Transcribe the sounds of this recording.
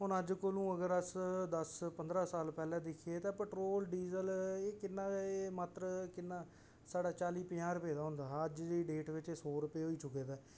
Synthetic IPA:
ɦʊnəd͡ʒkolũːəɡəɾəsd̪əspənd̪ɾaːsaːlpɛːlɛ̃ːd̪ɪkʰeːt̪ãːpəʈɾoːlɖiːzəleːkɪnːãːeːmaːt̪ɾkɪnːãː | saːɖaːt͡ʃaːliːpɪãːɾʊpeːd̪aːɦʊ̃nd̪aːəd͡ʒ̪iːɖeːʈʋɪt͡ʃeːsoːɾʊpeːɦoːiːt͡ʃʊkːeːd̪aː

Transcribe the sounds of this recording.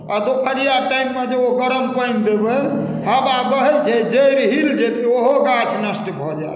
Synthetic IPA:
ad̪opʰəɾijaʈaimːed͡ʒeoɡəɾəmpəjnd̪ebə | həbabəɦɛt͡ʃʰɛd͡ʒejɾɦild͡ʒet̪ʰioɦoɡat͡ʃʰnəsʈbʱɔd͡ʒa̰j

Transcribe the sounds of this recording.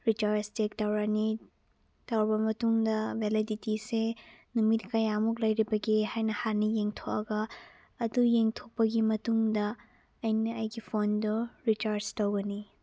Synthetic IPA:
ɾit͡ʃaɾstek̚tɐwɾani | tɐwɾbɐmɐtuŋdɐbʱeliditisenumit̚kɐjamuk̬lɐjɾibɐɡihajnɐhanijeŋtʰoʔɐɡɐː | dujeŋtʰok̚pːɐɡimɐtuŋdɐ | ɐjnɐɐjɡipʰonduɾit͡ʃaɾstɐwɡɐni

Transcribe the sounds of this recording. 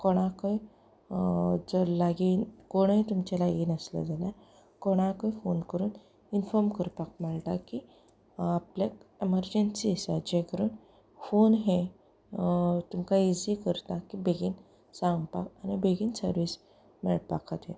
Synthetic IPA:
kɔɽ̃ãkəj | d͡zəlaɡiːnkoɽ̃et̪umt͡ɕalaɡiːnəsla̰d͡zala | kɔɽ̃ãkəjfonkəɾuːn | infɔɾmkəɾpak̚mɛɭʈ̪aki | aplek̚eməɾd͡ʑensisad͡ʑekəɾuːn | fonɦe | t̪umkaiziːkəɾt̪akibeɡiːn | sãŋɡpa̰kanibeɡiːnsəɾʋiːs | mḛɭʈpa̰kʰət̪ɦḛ

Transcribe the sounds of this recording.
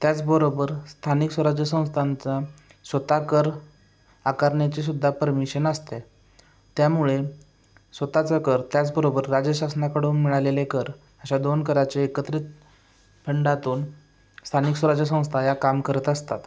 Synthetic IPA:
t̪jat͡sbəɾobəɾst̪ʰaniksʋəɾad͡ʑjəsə̃w̃st̪ʰant͡sa | sʋət̪akəɾ | akaɾɳjat͡ɕes̬ud̪ʱːapəɾmiɕənəst̪e | t̪jamuɭe | sʋət̪at͡sakəɾt̪jat͡sbəɾobəɾːad͡ʑəɕasnakəɽoːnmiɭalelekəɾ | əɕad̪onkəɾat͡seːkət̪ɾit̪ | pʰəɳɖat̪uːn | st̪ʰaniksəɾad͡ʑəs̬ə̃w̃st̪ʰajakamkəɾət̪əst̪at̪

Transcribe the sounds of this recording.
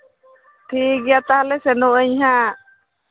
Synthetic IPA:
ʈʰikjat̪aalɛsɛnuəɲɦa

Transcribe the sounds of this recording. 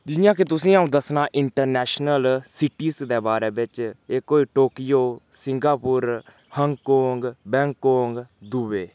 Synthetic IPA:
d͡ʒɪɪjãːk̬ɪt̪ʊsĩːaũːd̪əsnaːʔɪɳʈəɾnɛːʃnəlsɪʈiːsd̪eːbaːɾeːbɪt͡ʃeːkoːiːʈoːkijoːsɪŋɡaːpʊɾ | həŋɡkoːŋɡbɛ̃ːŋkːoːŋɡd̪uʋeː

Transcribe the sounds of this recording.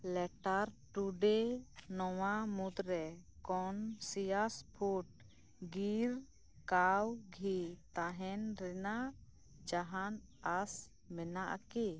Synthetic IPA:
lɛʈaɾʈuɖenɔwamud̪ɾɛkɔnsijaspʰuʈ̚ | ɡiɾ | kawɡʱit̪aɦɛnɾɛna | d͡ʒaɦan | as | mɛnaʔki

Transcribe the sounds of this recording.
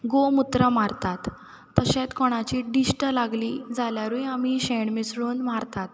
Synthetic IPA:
ɡomut̪ɾəmaɾt̪at̪ː | əɕẽt̪kɔɽ̃at͡ɕiːɖisʈəlaɡlid͡zaljaɾujamiɕeɳmisɽuːnmaɾt̪at̪̚

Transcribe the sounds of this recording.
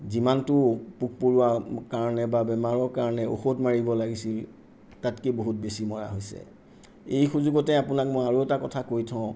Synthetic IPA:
zimantʊpuk̚poɹʊwakaɹɔnɛbabɛmaɹɔɹkaɹɔnɛo̰xotmaɹibɔlaɡisil | tatkeboɦut̚besimɔɹa̰ɦojsɛ̰ | ejxuzuɡɔtɛapʊnak̚mojaɹuɛtakɔtʰakojtʰɔ̃ʊ̃

